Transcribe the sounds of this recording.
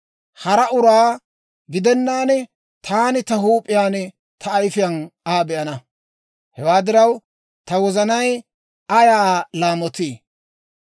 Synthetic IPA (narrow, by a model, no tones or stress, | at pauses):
hɐɾɐʔʊɾaː | ɡɪd̪ɛnːaːnɛ | t̪ʰaːnɪt̪ɐɦuːpʼɪjaːnɛ | t̪ʰɐːjfɪjɐnaːbɛʔɐnɐ | hɛwaːd̪ɪɾɐw | t̪ɐwɔzɐnɐj | ɐjaːlaːmɔt̪iː